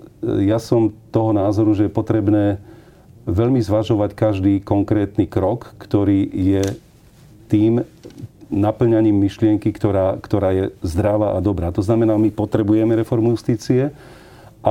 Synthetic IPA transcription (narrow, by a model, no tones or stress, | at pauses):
jasɔmt̪ɔɦɔnaːzɔɾuʒɛjɛpɔt̪ɾɛbnɛː | ʋɛʎmizʋaʒɔʋackaʒd̪iːkɔŋkɾɛːt̪niːkɾɔkːt̪ɔɾiːjɛ | t̪iːm | napl̩ɲaɲiːmːiʃlɪɛŋkikt̪ɔɾaːkt̪ɔɾaːjɛzd̪ɾaʋaːʔad̪ɔbɾaːt̪ɔznamɛnaːmipɔt̪ɾɛbujɛmɛɾɛfɔɾmujust̪iːt͡siɛ | ʔa